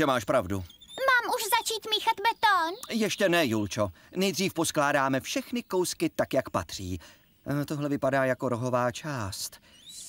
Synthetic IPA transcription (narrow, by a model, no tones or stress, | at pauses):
ʒɛmaːʃpɾavdṵmaːmuʃzat͡ʃiːt̪miːxat̪bɛt̪onjɛʃcɛnɛjult͡ʃo | nɛjdr̝iːfposklaːdaːmɛfʃɛxnɪkowskɪt̪akjakpat̪r̝̥ḭː | t̪oɦlɛvɪpadaːjako̞ɾoɦo̞vaːt͡ʃaːst̪